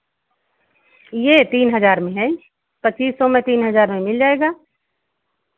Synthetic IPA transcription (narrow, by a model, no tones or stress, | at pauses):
jeːt̪iːnɦɐzaːɾmẽɦɛ̃ | pət͡ʃːiːssɔmẽt̪iːnɦɐzaːɾmẽmɪld͡ʒaːeːɡaː